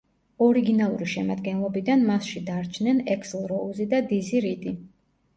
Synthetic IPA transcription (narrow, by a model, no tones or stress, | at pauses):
ɔɾiɡinalˠuɾiʃɛmad̪ɡɛnlˠɔbid̪anmasʃid̪aɾt͡ʃʰnɛnɛkslˠɾɔuzid̪ad̪iziɾid̪ʼi